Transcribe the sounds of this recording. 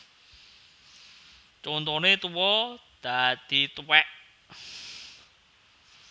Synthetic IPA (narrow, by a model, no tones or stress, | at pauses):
t͡ʃɔnt̪ɔnet̪uwɔd̪̥a̤d̪̥i̤t̪uwɛʔ